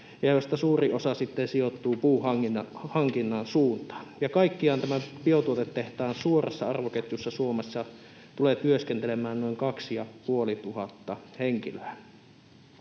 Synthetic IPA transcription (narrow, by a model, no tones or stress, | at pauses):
jɑjost̪ɑsuːriosɑsit̪ːensijot̪ːuːpuːhɑŋihɑŋkinːɑnsuːnt̪ɑ̥ːjɑkɑˑikːiɑːnt̪æmæpiot̪uot̪et̪t̪eht̪æːnsuorɑ̰sːɑɑrʋoket̪josːɑsuomesːɑ | t̪uleːt̪yøskent̪elemˑæːnnoˑiŋkɑksijɑpuolit̪uhɑt̪ːɑheŋkiløæ